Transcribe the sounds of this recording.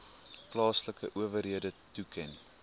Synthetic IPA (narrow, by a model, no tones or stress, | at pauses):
plɑːsləkə̰ʔuəvərɦiədətukʰɛn